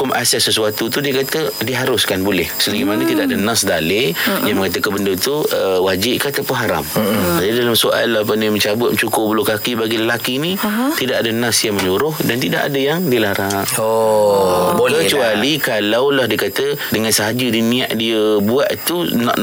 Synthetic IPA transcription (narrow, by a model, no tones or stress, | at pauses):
ʊma̰sasəsuat̪ut̪udiəkat̪ədiəɦaɾʊskanbolɛhsəlaɡimanət̪idaʔadənãsdalediəmə̃ŋat̪əkanbəndət̪uəwad͡ʒɪʔkat̪apʊnɦaɾa̰md͡ʒadidalamsoʔa̰lːahpaniməɲt͡ʃabʊt̪̚t͡ʃukʊʔbəlʊkakibaɡiləlakinit̪idaʔadənãsjaŋməɲuɾʊhdant̪ida̰ʔa̰dəjaŋdilaɾaʔo | kət͡ʃualikalawlahdiəkat̪ədəŋãnsəɦad͡ʒudinĩaʔdiəbuaʔt̪unã̰ʔ